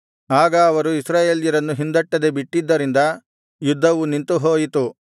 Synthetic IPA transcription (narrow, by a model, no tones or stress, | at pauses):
aːɡɐːʋɐɾuisɾaːje̞ːljɐɾɐnːuɦind̪ɐʈːɐd̪ebiʈːid̪ːɐɾind̪ɐ | jud̪ːɐʋunint̪uɦoːjit̪u